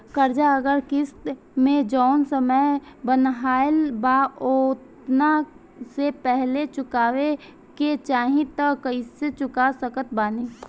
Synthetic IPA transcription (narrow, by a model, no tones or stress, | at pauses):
kəɾd͡ʒaəɡəɾkɪst̪ | mẽd͡ʒɔʊnsəməjbənɦaːɪlbaot̪ | na | sepɛɦlet͡ʃʊkaːwe | ket͡ʃaːɦĩt̪əkəiset͡ʃʊkasəkət̪̚baːni